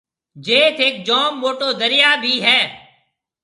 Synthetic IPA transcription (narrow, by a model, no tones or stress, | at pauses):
d͡ʒeːt̪ʰeːk̚d͡ʒɔːmːoːʈoːd̪əɾɪjaːbʱiːɦɛː